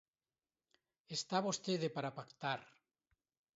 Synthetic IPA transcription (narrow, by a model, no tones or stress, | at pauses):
est̪aβost̪eðepaɾapakt̪aɾ